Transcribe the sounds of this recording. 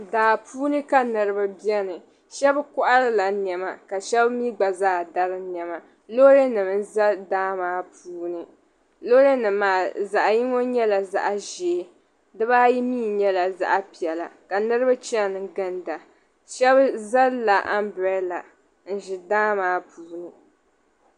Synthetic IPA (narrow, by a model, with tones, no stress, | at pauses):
daː˨pʰuː˦nɨ˦ka˦nɨ˨ɾɨ˦ba˦bɛ˦nɨ˨ | ʃɛ˦bkʊ˦ʔa˦ɾɨ˦la˨n˨ɛ˨ma˨ka˨ʃɛ˦bmi˦ɡ͡ba˨zaː˦˨da˦ɾɨ˦nɛ˨ma˨ | lo˦ɾe˦nɨ˨m˦n̩˦za˦daː˦maː˨˦pʰuː˦nɨ˨ | lo˦ɾe˦nɨ˨mːaː˨za˨ʔa˨ji˦ŋo˦ɲɛ˦la˨za̰˨ʔa˨ʒe˨˦ | dɨ˦ba˦ji˦miː˦˨ɲɛ˦la˨za̰˦ʔa˦pi˨ɛ˨la̰˨ka˨nɨ˦ɾɨ˦ba˦t͡ʃi˦˨nɨ˨˦ɡɨ˦nda˨ | ʃɛ˦bza˦lla˨ʔa̰˦m˦bɛ˨˦la˨ | n̩˦˨ʒɪ˨daː˦maː˦puː˨˦nɨ˨